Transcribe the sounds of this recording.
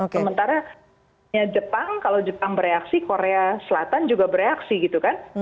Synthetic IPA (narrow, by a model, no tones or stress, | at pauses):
osəmənt̪aɾa | ɲad͡ʒəpaŋkalowd͡ʒəpaŋbəɾeaksikoɾeasəlat̪and͡ʒuɡabəɾeaksiɡit̪ukan